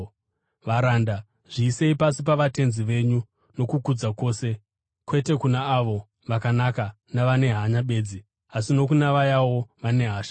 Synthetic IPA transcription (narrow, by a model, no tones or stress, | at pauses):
ʋaɾanda | ʐ̥iːse̞ipasip̬aʋate̞nziʋe̞ɲu | no̞kukud͡zako̞ːse̞ | kwe̞te̞kunaːʋo̞ | ʋakanaka | naʋane̞ɦaɲaɓe̞ːd͡zi | asino̞kunaʋajawo̞ʋane̞ɦaːʃḁ